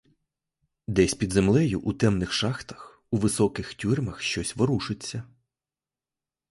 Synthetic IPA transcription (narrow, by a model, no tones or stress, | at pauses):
d̪ɛsʲpʲid̪zemlˠɛjʊʔut̪ɛmnɪxʃɑxt̪ɐ̥x | uʋɪsɔkɪxtʲurʲmɐxʃt͡ʃɔsʲʋɔɾuʃɪt͡sʲːɐ